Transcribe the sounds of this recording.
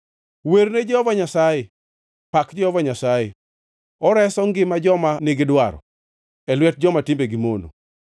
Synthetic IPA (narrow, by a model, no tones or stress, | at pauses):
weɾned͡ʒɔvaɲasajɛ | pakd͡ʒɔɔvaɲasajɛ | ɔɾɛsɔŋɡɪmad͡ʒɔmanɪɡɪdwaɾɔ̰ | ɛlwɛt̚d͡ʒɔmatɪmbeɡimono̰